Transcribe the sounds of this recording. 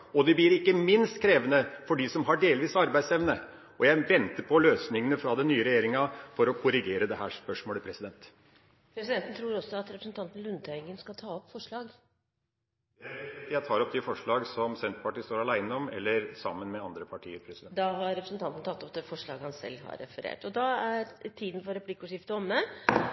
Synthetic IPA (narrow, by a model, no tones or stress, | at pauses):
ɔd̪ɛbliːɾɪkːəmɪnst̪kʰɾeːʋənəfɔɖisɔmɦɑɖeːlʋiːsɑɾbæɪd̪sɛʋnə | ʔɔjæɪʋɛnt̪əɾpʰɔløːsnɪŋənəfɾɑd̪ɛnyːəɾɛjeːɾɪŋɑfɔɾɔkʰʊɾɪɡeːɾəd̪ɛɦæːʂpœʂmoːləpʰɾɛsɪd̪ɛnt̪ | pʰɾɛsɪd̪ɛnt̪ən̩t̪ʰɾuːɾɔsːɔɑt̪ɾɛpɾəsn̩t̪ʰɑnt̪ən̩lʉnd̪t̪ʰœɪɡənskɑt̪ʰɑːɔpːfɔʂɭɑːɡ | jæɪt̪ʰɑːɾɔp̚ːd̪ɛfɔʂɭɑːɡsɔmsɛnt̪pɑʈiːst̪oːɾɑlæɪnəɔmɛlːəɾsɑmːənmɛɑnd̪ɾəpʰɑʈʰiːəɾpʰɾɛsɛd̪ɑɦɑɾɾɛpɾəsənt̪ɑnt̪nt̪ɑt̪ːɔp̚d̪ɛfɔʂɭɑːɡəhɑnsɛ̰lːhɑ̰ɾɛ̰fəɾḛːʈɔd̪ɑæɾt̪ʰiːd̪n̩fɔɾɛpʰlɪkːʊʂɪft̪əɔmːə